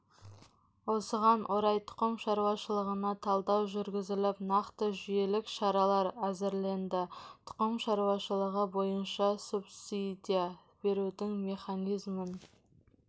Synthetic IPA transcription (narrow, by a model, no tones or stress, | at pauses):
wo̞səʁɑnʔoɾɑjt̪ʰʊ̥qəmʃɑɾuwɑʃəlˠəʁənɑt̪ʰɑlˠd̪ɑwʒʏɾɡʲɪzɪlɪpnɑqt̪əʒʏje̞lɪkʃɑɾɑlˠɑɾæzɪɾle̞nd̪ɪt̪ʰʊ̥qəmʃɑɾuwɑʃəlˠəʁəbo̞jənʃɑsupsid̪ʲija | b̥e̞ɾud̪ɪŋme̞χɑnijzmən